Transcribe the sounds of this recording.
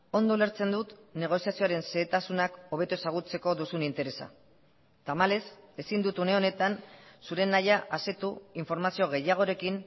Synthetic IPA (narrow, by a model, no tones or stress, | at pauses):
o̞nd̪ole̞ɾt͡se̞nd̪ut̪ne̞ɣ̞o̞siasio̞aɾe̞nse̞ːt̪asunako̞β̞e̞t̪ue̞saɣ̞ut͡se̞ko̞d̪usunint̪e̞ɾe̞sa̰ | t̪amale̞se̞sind̪ut̪une̞o̞ne̞t̪ansuɾe̞nːajaʔaset̪uiɱfo̞ɾmasio̞ɣ̞e̞jaɣ̞o̞ɾe̞kin